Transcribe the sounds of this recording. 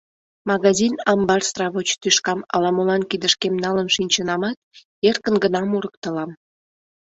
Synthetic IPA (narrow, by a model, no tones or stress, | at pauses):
mɑɣɑzinɑmbɑrst̪rɑβot͡ɕt̪yʃkɑmɑ̰lɑmolɑnkid̪əʃkemnɑlənʃinʲt͡ɕənɑmɑt̪̚ | erkənɡənɑmuɾək̚t̪əlɑm